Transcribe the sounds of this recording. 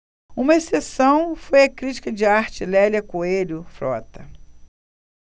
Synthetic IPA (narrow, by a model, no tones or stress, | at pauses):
ũmɐesesɐ̃w̃fojɐkɾit͡ʃi̥kɐd͡ʒɪaɾt͡ʃɪlɛljɐkoelʊfɾɔ̰t̪ɐ